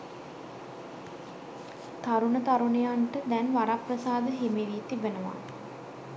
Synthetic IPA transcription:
t̪aɾunət̪aɾunejanʈəd̪ɛnʋaɾaprəsaːd̪əɦemeʋijet̪ibenəʋa̰

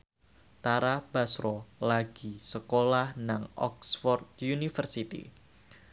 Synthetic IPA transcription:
t̪aɾab̥asɾɔlaɡ̥isəkolahnaŋɔ̰ksfɔrt̪̚junifərsit̪ḭ

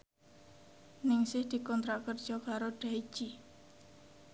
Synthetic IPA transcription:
nɪŋsɪhd̪̥i̤kɔnt̪ɾakərd̥ʒ̥ɔkaɾoɖ̥ai̥ʒ̥i

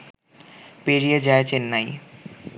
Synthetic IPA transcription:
peɾijed͡ʑaet͡ɕenːaj

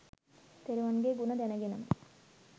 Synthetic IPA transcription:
t̪eɾuʋɐnɡeɡunɐd̪ɛnɐɡenɐm

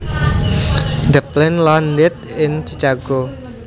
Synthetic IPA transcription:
d̪əplɪnlandɪt̪̚ɪnt͡ʃit͡ʃaɡ̥o

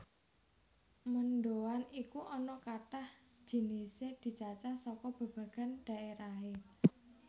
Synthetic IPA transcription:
mənɖowanikuʔɔnɔkaʈah | d͡ʒ̥i̤nised̪̥i̤t͡ʃat͡ʃasɔkɔb̥a̤b̥ä̤ɡ̥a̤nɖ̥a̤ʔeɾaɦe

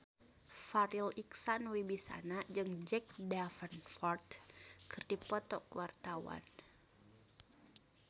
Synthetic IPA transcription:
faɾiliksanwibisa̰nad͡ʒɨŋd͡ʒɛk̚dafənfɔrt̪kʰɨrdipɔt̪ɔ̰kuwart̪awa̰n

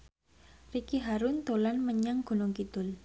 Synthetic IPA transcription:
rikiɦaɾʊnt̪olanməɲaŋɡ̥o̤nʊŋkit̪ʊ̤l

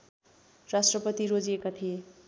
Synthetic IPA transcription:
rasʈrʌpʌt̪iɾod͡ziekat̪ʰije

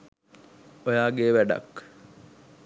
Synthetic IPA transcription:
ojaːɡeːʋæɖa̰k

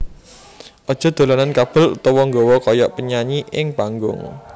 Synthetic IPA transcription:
ʔɔd̥ʒ̥ɔ̤d̪̥o̤lanankab̥ə̤lṵt̪ɔwɔŋɡɔwɔkɔjɔ̰ʔpəɲaɲiʔɪŋpaŋɡʊ̰ŋ

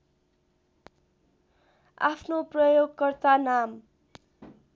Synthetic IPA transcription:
a̰pʰnoprʌjoɡkʌrt̪anam

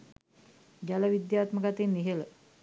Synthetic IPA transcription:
ɡaləʋid̪jaːt̪məɡat̪enːiɦelə

